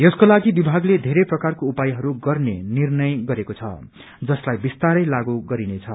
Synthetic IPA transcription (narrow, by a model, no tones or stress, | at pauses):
jʌskolaɡibibʱaɡled̪ʱeɾʌjprʌkarkoupajɦʌɾuɡʌrnḛnirnʌjɡʌɾekot͡sʰʌ̰ | d͡zʌslajbist̪aɾʌjlaɡuɡʌɾinet͡sʰʌ̰